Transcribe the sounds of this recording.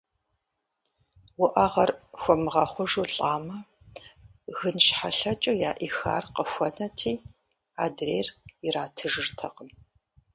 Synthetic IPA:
wʊʔɐʁɐrxʷɔmɨʁɐχʷʊʒuːɬʼaːmɐ | ɣɨnʃħaɬɐt͡ʃʼujaːʔixa̰ːrqəxʷɔnɐtʰiː | aːdreːriraːtʰɨʒɨrtʰɐqəm

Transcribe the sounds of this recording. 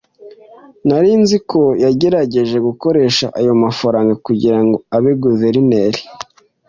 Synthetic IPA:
naɾinziko̞jaɟe̞ɾaɟe̞ʒe̞ɡuko̞ɾe̞ʃaʔajo̞mafaɾaːŋɡakuɟiɾaŋɡo̞aβeɡuzeɾineɾi̥

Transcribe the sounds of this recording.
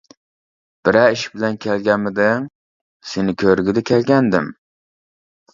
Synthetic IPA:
b̥ɪɾæɪʃbɪlænkʲʰælɡʲamɪd̪ɪŋ | senɪkʲʰøɾɪɡʲɪd̪ɛkʲʰɛlɡʲænd̪ɪm

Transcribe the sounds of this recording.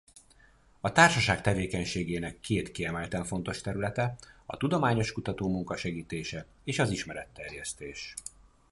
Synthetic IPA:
ɒt̪aːrʃɒʃaːkt̪ɛveːkɛɲʃeːɡeːnɛkʰːeːt̪kiɛmɛlt̪ɛɱfo̞n̪t̪o̞ʃt̪ɛɾylɛt̪ɛɒ̰t̪ud̪o̞maːɲo̞ʃkut̪ɒt̪oːmuŋkɒʃɛɡiːt̪eːʃɛ | eːʃɒziʃmɛɾɛt̪ːɛrjɛst̪eːʃ

